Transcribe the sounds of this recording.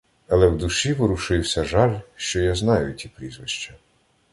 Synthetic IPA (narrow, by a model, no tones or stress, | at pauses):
ɐlˠɛwd̪ʊʃiʋɪɾʊʃɪwsʲɐʒɑlʲʃt͡ʃɔjaznɑjʊtʲipɾʲizʋɪʃt͡ʃɐ